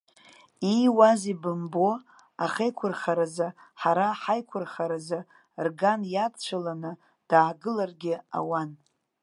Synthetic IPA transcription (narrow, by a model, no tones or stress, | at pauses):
iwazibɨmbo̞ | aχejkʷʰʊrχaɾaza | ħaɾaħajkʷʰʊrχaɾaza | rɡanjadt͡ʃʷʰalanɨ | d̥aːɡɨlarɡʲɪa̰wan